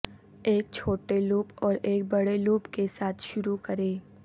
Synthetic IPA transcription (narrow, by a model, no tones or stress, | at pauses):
eːk̚t͡ʃʰoːʈeluːpɔːɾeːk̚bɐɽeluːpkesaːt̪ʰʃʊɾukɐɾeː